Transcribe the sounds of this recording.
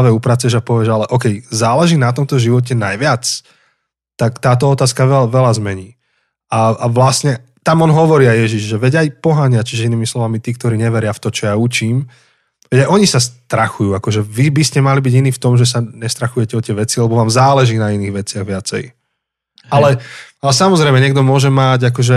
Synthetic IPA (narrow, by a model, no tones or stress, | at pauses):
ʋɛupɾat͡sɛʒapɔʋɪɛʒalɛʔɔkɛjzaːlɛʒiːnat̪ɔmt̪ɔʒiʋɔc̬ɛnajʋɪat͡s | t̪akt̪aːt̪̬ɔɔt̪aːskaʋɛʋɛlazmɛɲiː | aaʋlasɲɛ | t̪amɔnɦɔʋɔɾiːajjɛʒiʒʒɛʋɛɟajpɔɦaɲɪat͡ʃiʒɛiniːmislɔʋamit̪iːkt̪ɔɾiːɲɛʋɛɾɪaft̪ɔt͡ʃɔjaut͡ʃiːm | ʋɛɟajʔɔɲisast̪ɾaxujuːakɔʒɛʋibiscɛmalibiɟiniːft̪ɔmʒɛs̬aɲɛst̪ɾaxujɛcɛɔt̪ɪɛʋɛt͡silɛbɔʋaːmzaːlɛʒiːnainiːɣʋɛt͡sɪaɣʋɪat͡sɛ̰j | ʔalɛalɛsamɔzɾɛɪmɛɲɪɛɡ̚d̪ɔmʊɔʒɛmaɟak̬ɔʒɛ